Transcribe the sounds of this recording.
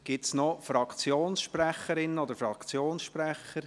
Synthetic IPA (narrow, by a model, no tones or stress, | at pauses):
ɡ̥ɪtsnɔfɾɑkt͡sjoːnsʃpræχəɾɪnːəɔd̪əɾfɾɑkt͡sjoːnsʃpræχːəɾ